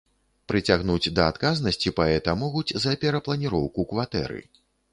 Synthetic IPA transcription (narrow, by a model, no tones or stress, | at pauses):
pɾɨt͡sʲaɣn̪ud͡zʲd̪ɐat̪kaznɐsʲt͡sʲipaɛt̪ɐmɔɣud͡zʲzɐpʲɛɾɐplˠɐnʲiɾɔwkukvat̪ɛ̰ɾɨ̰